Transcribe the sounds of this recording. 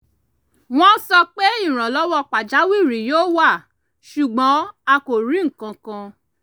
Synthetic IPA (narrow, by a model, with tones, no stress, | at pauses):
w̃ɔ̃˦sɔ˧k͡pe˦i˦˨ɾ̃ã˨lɔ˦wɔ˦˨k͡pa˨d͡ʒa˨˦wi˦˨ɾi˨joː˦wa˦˨ | ʃu˨ɡ͡bɔ̃˨˦a˧ko˨ɾi˨˦ŋ̩˦˨kã˧kã˧